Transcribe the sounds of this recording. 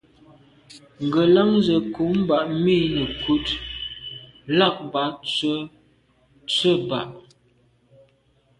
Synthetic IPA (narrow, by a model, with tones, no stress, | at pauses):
ŋ̩˨ɡə˨lə˦ŋzə˨ku˨˦m˦ba˨ʔmi˦nə˨ku˦t | la˦˨k̚ba˨˦t͡sə˦ | t͡sə˦ba̰˨ʔ